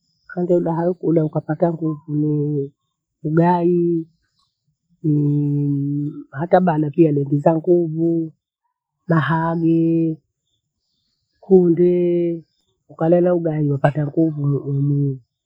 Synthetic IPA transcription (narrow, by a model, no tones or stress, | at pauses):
kandɛulaɦaukuɗaukapataŋɡuvuni | uɡai | hataɓanapialɛŋɡizaŋɡuvu | maɦaɡɛ | kundɛ | ukalɛlauɡaiwapataŋɡuvuumi